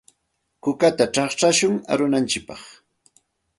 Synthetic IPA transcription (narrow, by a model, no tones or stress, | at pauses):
kʊkat̪aʈ͡ʂɑχʈ͡ʂaʃʊŋa̰ɾʊnant͡ʃɪpɑχ